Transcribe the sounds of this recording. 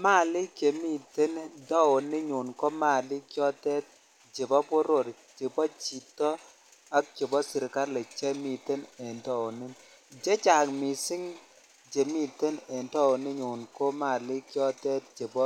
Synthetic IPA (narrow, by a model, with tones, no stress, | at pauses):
ma˦˨lɪ˦kje˨mi˦˨te˦ndɔ˦ʊ˨ni˦ɲu˨nko˦ma˦˨lɪ˦kjɔ˦tɛ˦t̚ | d͡ʒe˨bɔ˦pʊ˦ɾo˨ɾ | t͡ʃe˨bɔ˦t͡ʃi˨tɔ˦ | a˦k̚t͡ʃe˨bɔ˦sɪ˨ɾka˦ɾle˨t͡ʃe˦mi˨te˦nɛ˨ndɔ˦˨ʊ˨nɪ˦n | d͡ʒe˦t͡ʃa˨kmi˨sɪ˦ŋ | d͡ʒe˨mi˦˨te˦nɛ˨ndɔ˦ʊ˨nɪ˦ɲu˨nko˦ma˦˨lɪ˦kjɔ˦tɛ˦t̚d͡ʒe˨bɔ˦